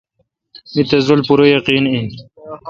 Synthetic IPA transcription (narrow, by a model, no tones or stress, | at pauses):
mit̪ɐzulpuɾojɐqiːnin